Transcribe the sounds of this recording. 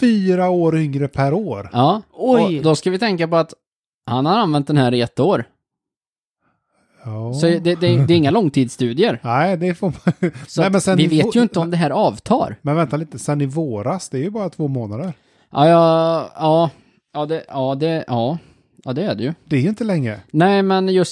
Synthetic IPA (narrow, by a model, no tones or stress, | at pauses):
fyːɾaoːɾʏŋɾəpʰæɾoːɾjɑːɔd̪ɔskavɪt̪ʰɛŋkapɔat̪ | hanhaɾanvɛnt̪̚d̪ɛnhæːɾɪɛt̪ːəoːɾ | ɑːsɔd̪ɛd̪ɛd̪ɛɪŋːalɔŋːt̪ʰiːd̪st̪ʉ̟ːd̪ɪəɾnæɪd̪ɛfoːmasɔamɛnsɛnvɪveːt̪jɵɪnt̪əɔmd̪ɛɦæːɾɑːvt̪ʰɑ̰ːɾmɛnvɛnt̪aliːt̪əsɛnːɪvoːɾasd̪ɛːɾjəbɑːɾat̪ʰvoːmoːnad̪əɾ | ʔɑ̰jɑɑː | jɑːd̪ɛɑːd̪ɛʔɑː | ʔɑ̰ːd̪ɛːɖɛjɵd̪̥ɛɛɾjɵɪnt̪əlɛŋːɾənɛɪmɛnjɵs